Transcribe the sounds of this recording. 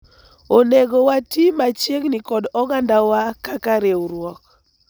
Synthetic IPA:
oneɡowatimat͡ʃjeɡnɪkɔdɔɡandawakakaɾeuɾwɔk

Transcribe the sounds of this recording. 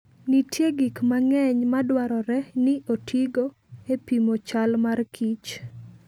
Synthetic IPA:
nitʰjeɡikmaŋɛɲmadwaɾɔɾɛnɪʔotʰiɡo | epimot͡ʃalmarkʰit͡ʃ

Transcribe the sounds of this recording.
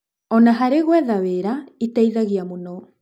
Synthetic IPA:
ɔnaɦaɾeɣwɛðaweɾaitaiðaɣiamonɔ

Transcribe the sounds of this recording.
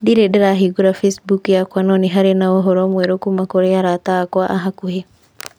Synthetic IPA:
diɾedeɾaɦiɡuɾafesbukujakwanɔniɦaɾenaoɦoɾɔmwɛɾokumakoɾejaɾataːkwaʔaɦakuhe

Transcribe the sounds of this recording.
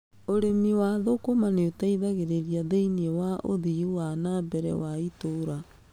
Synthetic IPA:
oɾemiwaðokomaneotaiðaɣeɾeɾiaðeiniewaʔo̰ðiuwanabɛɾɛ̰waitoɾa

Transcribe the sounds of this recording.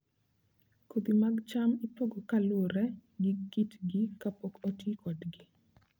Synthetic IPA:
kod̪imaɡt͡ʃamipoɡokalwoɾɛɡɪkːitɡɪkapokotikʰɔdɡɪ

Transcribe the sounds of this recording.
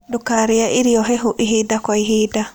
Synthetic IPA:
dukaɾijaʔiɾijɔɦɛɦuʔiɦiːdakajɦiːda

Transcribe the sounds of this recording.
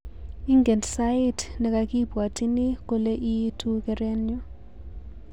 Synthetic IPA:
iŋɡɛndsajitʰnɛk̬ʼakʼib̥ʱwatʰʼinik̬ʼɔlɛʔitʰukʼɛrɛnjɔ

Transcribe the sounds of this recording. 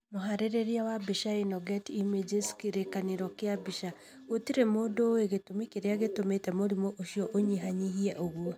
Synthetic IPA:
moɦaɾeɾeɾjawabiʃainɔɡɛtimed͡ʒeskiɾekaneɾɔkeabiʃa | otiɾemodoeɣetomikeɾeaɣetometɛmoɾimoʔoʃijɔʔoɲiɦaɲihiɛʔoɣwo

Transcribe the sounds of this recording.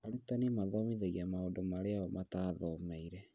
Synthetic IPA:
aɾutanemaðɔmiðeɣiamaodomaɾeaɔmataːðɔmɛiɾɛ

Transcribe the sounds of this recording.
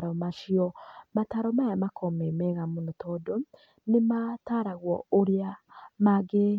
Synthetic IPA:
ɾɔmaʃiɔmataɾɔmajamakʰɔmɛmɛɣamonotʰɔdo | nemataɾaɣwɔ̰oɾeamaɡe

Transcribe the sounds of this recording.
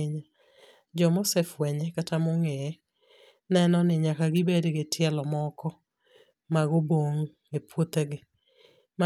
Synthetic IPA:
ɲa | d͡ʒɔmosɛfwɛɲɛkatamoŋɛ | nɛnɔnɪɲakaɡɪbedɡɪtʰɪɛlɔmɔkɔ | maɡoboŋ | epwot̪eɡɪ | ma

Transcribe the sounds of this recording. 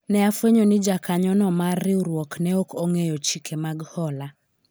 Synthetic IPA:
nɛafweɲonɪd͡ʒakaɲɔnɔmarːɪuɾwɔknɛokoŋejot͡ʃikʰemaɡhɔla

